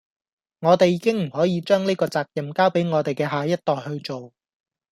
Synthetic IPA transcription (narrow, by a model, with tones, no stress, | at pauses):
ŋɔː˨˧t̪e˨jːiː˨˥kɪ˥ŋm̩˨˩hɔː˨˥jiː˨˧t͡ʃœː˥ŋneː˥kɔː˧t͡saː˧k̚jɐ˨mkaː˥wpe˨˥jŋɔː˨˧t̪e˨jkɛː˧ɦaː˨jɐ˥t̚t̪ɔː˨jhɵ˧ɥt͡ʃo˨w